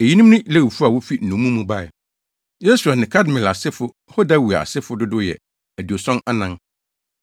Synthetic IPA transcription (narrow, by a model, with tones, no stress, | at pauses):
e˨ji˦nũ˦m˦nʊ̃˦le˦wi˨fu˦a˨wʊ˦fi˦n̩˨nũ˨˦mũ˦mũ˦ba˦˨ɛ˨ | je˦su˨a˨nɪ̃˨kʰa˦dmɪ̃˨la˨sɪ˦fʊ˦ho˦da˦wu˨a˨a̰˨sɪ˦fʊ˦dʊ˦dʊ˦jɛ̰˨ | æ˨di˨o˨sɔ̃˦na˦nã˦n